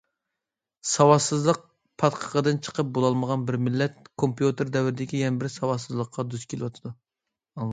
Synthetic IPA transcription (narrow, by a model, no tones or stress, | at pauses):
sɑwɑsɨzlˠəq̚ | pʰɑt̪qʰə̥qəd̪ɨnt͡ʃʰə̥qəp̚bolˠɑlˠməʁɑnbɪɾmɪlːɛt̪̚kʰompjut̪ɨɾd̪ɛwɪɾɪd̪ɪkʲijɛnɪbɪɾsɑwɑsɨzlˠəqʰːɑd̪yskʲʰelɪwɑt̪ʰɨd̪u